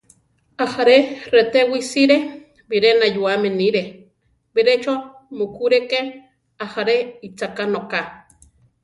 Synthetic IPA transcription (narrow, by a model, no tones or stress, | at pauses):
ahaɾeret̪ewisiɾe | biɾenajuameniɾe | biɾet͡ʃo | mukuɾeke | ahaɾeit͡sakanoka